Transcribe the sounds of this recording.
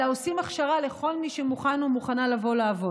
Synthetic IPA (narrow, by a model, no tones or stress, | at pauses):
aosimaχʃaʁale̞χo̞lmiʃemuχanomuχanalavo̞laːvo̞